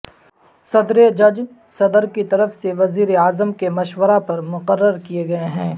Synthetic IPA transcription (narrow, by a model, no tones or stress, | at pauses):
sɐd̪ɾed͡ʒɐd͡ʒ | sɐd̪əɾkit̪ɐɾəfseʋɐziːɾeaːzəmkemɐʃwəɾapɐɾmʊqəɾːəɾkijeɡɐeɦɛ̃ː